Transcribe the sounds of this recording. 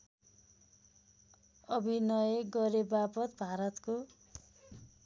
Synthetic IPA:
ʌbʱinʌjɡʌɾebapʌt̪bʱaɾʌt̪ko

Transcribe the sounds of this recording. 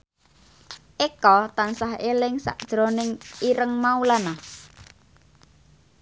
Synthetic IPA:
ʔekɔt̪ansaɦelɪŋsa̰ʔd̥ʒ̥ɾonɪŋiɾəŋmaulana

